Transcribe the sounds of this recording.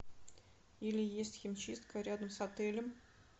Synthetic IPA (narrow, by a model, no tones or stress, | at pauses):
ilʲɪjesʲtʲxʲɪmʲt͡ɕist̪̚kəɾʲad̪əmsɐt̪ɛlʲəm